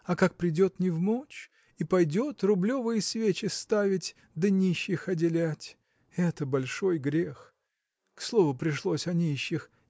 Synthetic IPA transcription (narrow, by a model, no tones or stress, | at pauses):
ɐkak̚pɾʲɪdʲo̞t̪nʲɪvmot͡ɕ | ipɐjdʲo̞t̪rʊblʲovɨjəsvʲet͡ɕɪst̪avʲɪtʲ | d̪ənʲiɕːɪxɐdʲɪlʲætʲ | ɛt̪əbɐlʲʂo̞jɡɾʲex | kslˠo̞vʊpɾʲɪʂlˠosʲɐnʲiɕːɪx